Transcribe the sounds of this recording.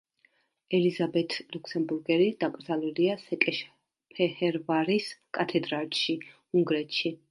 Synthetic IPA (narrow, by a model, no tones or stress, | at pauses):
ɛlizabɛt̪ʰlukʰsɛmbuɾɡɛɾid̪̥akʼɾd̪zalɛliasɛkʼɛʃ | pʰɛhɛɾvaɾiskʼat̪ʰɛd̪ɾalʃi | uŋɡɾɛt̪ʰʃi